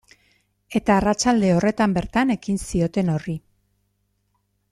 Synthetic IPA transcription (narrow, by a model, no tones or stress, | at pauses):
e̞t̪aːrat͡ʃald̪e̞o̞re̞t̪ambe̞ɾt̪ane̞kinsio̞t̪e̞no̞ri